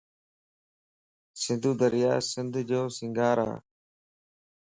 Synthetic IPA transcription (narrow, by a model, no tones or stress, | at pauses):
sɪ̃nd̪ʱuːd̪əɾɪja̰ːsɪnd̪ʱd͡ʒoːsɪ̃ŋɡaːɾa̰ː